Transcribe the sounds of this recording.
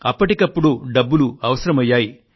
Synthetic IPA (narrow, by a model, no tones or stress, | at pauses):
ɐpːɐʈikɐpːuɽuɖɐbːuluɐʋɐsɐɾɐmɐjːaːji